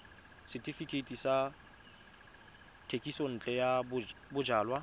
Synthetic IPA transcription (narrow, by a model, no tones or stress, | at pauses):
sɪtʰʼifikʰʼetʼisa | tʰekʼisɔn̩t͡ɬʼɛjabbʊd͡ʒaːlwa